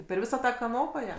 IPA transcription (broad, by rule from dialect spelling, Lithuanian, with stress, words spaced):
pʲɛr ˈʋʲɪsɑː ˈtɑː kɐˈnoːpɐ ˈjɛ